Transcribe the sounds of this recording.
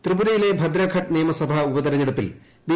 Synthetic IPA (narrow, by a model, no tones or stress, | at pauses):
t̪rɨbuɾɐjile̞bʱɐd̪ɾɐkʰɐʈ̚niːmɐsɐbʱɐubɐd̪ɐɾɐɲːeɽupːḭl | bi